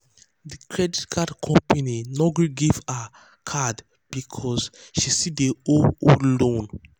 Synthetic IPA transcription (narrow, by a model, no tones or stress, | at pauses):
dikɹɛditkʰadkʰɔ̃mpaninɔɡɡiva | kʰad | b̥ikʰɔsʃisideoolõn